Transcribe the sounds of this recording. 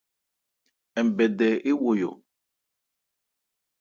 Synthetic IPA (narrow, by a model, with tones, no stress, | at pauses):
ɛ˨m˨bɛ˨dɛ˨ʔe˦wo˨jo̰˨